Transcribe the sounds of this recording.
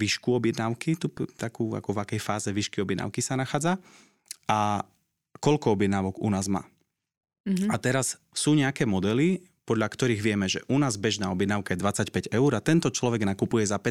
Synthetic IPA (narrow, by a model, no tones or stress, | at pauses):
ʋiʃkuɔbɪjɛd̪naʊkit̪upt̪akuːa̰kɔvakɛjfaːzɛʋiʃkiɔbɪjɛd̪na̰ʊkisanaxaːd͡za | a | kɔʎkɔɔbjɛd̪naːʋɔɡunaːzma̰ː | at̪ɛɾas | suːɲɛakɛːmɔd̪ɛli | pɔd̪ʎakt̪ɔɾiːɣʋɪɛmɛʒɛʔunaːzbɛʒnaːɔbjɛd̪naːʊkajɛd̪ʋat͡sacpɛɟɛuɾat̪ɛnt̪ɔt͡ʃlɔʋɛɡnakupujɛzapɛ